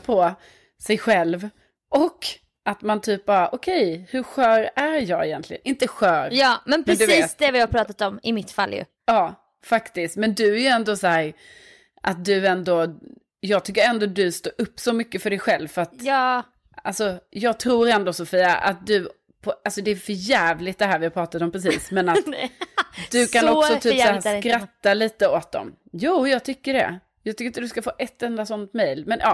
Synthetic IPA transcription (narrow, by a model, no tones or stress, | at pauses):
pʰɔ | sɛjɧɛlv | ʔɔkː | ʔat̪mant̪ʰyːp̚bɑːɾaʔɔkʰɛjhɵɾɧœːɾæɾjɑːɡɛjɛnt̪lɪɡə̰nʔɪnt̪əɧœːɾjɑːmɛnpɾɛd̪viːt̪sd̪ɛvɪapʰɾɑːt̪at̪ɔmɪmɪt̪fa̰lːjɵ̰ | ɑː | fakt̪ɪst̪mɛnd̪ɵæjɵɛnd̪ɔsæːɾ | ʔat̪̚d̪ɵɛnd̪ɔ | jɑːɡ̚t̪ʰʏkːəɾɛnd̪ɔd̪ɵst̪oːɾʔɵpːsɔmʏkːəfœɖɛjɧɛlvfœɾat̪ | alsɔjɑːɡ̚t̪ʰɾuːɾɛnd̪ɔsʊfiːa̰ʔa̰t̪̚d̪ɵ | pʰɔalsɔd̪ɛːfœɾjæːvlɪt̪̚d̪ɛɦæːɾvɪhaɾpʰɾɑːt̪at̪ɔmpʰɾɛs̬iːsmɛnat̪ | d̪ɵkʰanɔksɔt̪ʰyːsakɾat̪ːaliːt̪əoːt̪̚d̪ɔ̰m | juːjɑːɡ̚t̪ʰʏkːəɖɛ̰ | jɑːɡt̪ʰʏkːɾɪnt̪əd̪skafoːʔɛt̪ːɛnd̪asɔnt̪mɛjlmɛnʔɑ